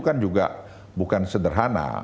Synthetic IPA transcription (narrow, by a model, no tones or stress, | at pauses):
kand͡ʒuɡa̰ | bukansədərɦana̰